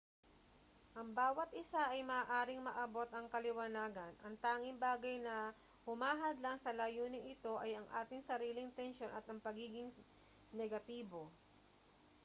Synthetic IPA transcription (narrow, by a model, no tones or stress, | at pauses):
ʔɐŋbaːwɐt̪ʔɪsaʔɐjmɐaːʔaːɾɪŋmɐʔɐbo̞t̪ɐŋkɐlɪwɐnaːɡɐnʔɐŋt̪aːŋɪŋbaːɡɐjnɐ | hʊmaːɦɐd̪laŋsɐlaːjuːnɪŋɪt̪o̞ʔɐjɐŋʔa̰ːt̪ɪŋsɐɾiːlɪŋt̪ɛnʃo̞nɐt̪ɐŋpɐɡiːɡɪŋ | nɛɡɐt̪iːbo̞